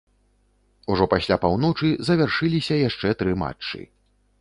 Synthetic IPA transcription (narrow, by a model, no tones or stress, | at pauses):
uʐɔpasʲlʲapawn̪ɔt͡ʂɨzɐvʲarʂɨlʲisʲɐjaʂt͡ʂɛt̪ɾɨma̰t͡ʂːɨ̰